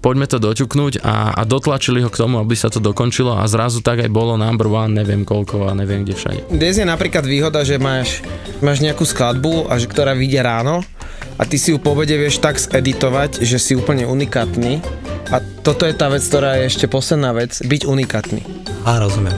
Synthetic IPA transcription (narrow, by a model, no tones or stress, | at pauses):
pɔɟmɛt̪ɔd̪ɔcuknuːɟa̰a̰d̪ɔt̪lat͡ʃiliɦɔkt̪ɔmuabisat̪ɔd̪ɔkɔnt͡ʃilɔa̰zɾazut̪aɡajbɔlɔnambɾʋaːnɲɛʋɪɛmkɔlkɔaɲɛʋɪɛmɡɟɛfʃa̰ɟɛ̰ɲɛzɛnapɾiːklad̪ʋiːɦɔd̪aʒɛmaːʃ | maːʒɲɛakuːsklad̪buaʒɛkt̪ɔɾaːʋiɟɪɛɾaːnɔ | ʔa̰t̪isijupɔbɛɟɛʋɪɛʃt̪aɡzɛd̪it̪ɔʋaɟʒɛsiuːpl̩ɲɛunikaːt̪niːat̪ɔt̪ɔjɛt̪aːʋɛt͡sk̚t̪ɔɾaːjɛɛʃcɛpɔslɛd̪naːʋɛd͡zbiɟunikaːt̪nḭː | aɾɔzumjɛm